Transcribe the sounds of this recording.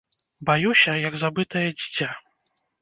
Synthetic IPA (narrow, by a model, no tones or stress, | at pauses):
bajusʲɐjɐɡzabɨt̪ɐjɐd͡zʲit͡sʲa